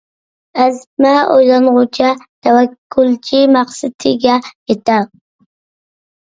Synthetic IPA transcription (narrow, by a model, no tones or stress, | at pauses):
azmaojlanʁʊt͡ʃʰat̪ʰawakʰːʊlt͡ʃʰɪmaqsat̪ʰɪɡʲajet̪a